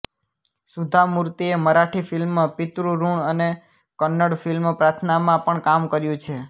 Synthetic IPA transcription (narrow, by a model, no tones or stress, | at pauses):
sud̪ʱamuɾt̪ieməɾaʈʰifɪlmːãpɪt̪ɾuɾuɳəne | kənːəɽfilmpɾat̪ʰnamãpəɳkamkəɾjũt͡ʃʰe